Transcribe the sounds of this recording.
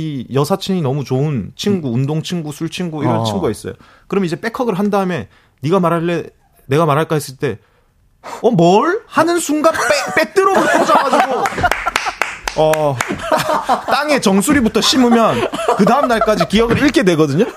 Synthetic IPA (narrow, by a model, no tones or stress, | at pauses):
ijʌsʰat͡ɕʰiɲinʌmut͡ɕoɯnt͡ɕʰiŋɡuːndoŋt͡ɕʰiŋɡusʰuɭt͡ɕʰiŋɡuiɾʌt͡ɕʰiŋɡuɡais͈ʌ̰jo̰ | kɯɾʌmid͡ʑe̞p͈e̞kʰʌɡɯɭɦandaɯme̞ | niɡamaɾɦaɭːe̞ | ne̞ɡamaɾɦaɭk͈aɦes͈ɯɭt͈e̞ | ʌmʌɭhanɯnsʰuŋɡapp͈et͈ɯɾʌbtʰod͡ʑaɡad͡ʑiɡo | ʌ | t͈aŋe̞t͡ɕʌŋsʰuɾibutʰʌɕ͈ʰimumjʌnkɯdaɯmnaɭk͈ad͡ʑikijʌɡɯɾiɭk͈e̞dwe̞ɡʌdɯɲo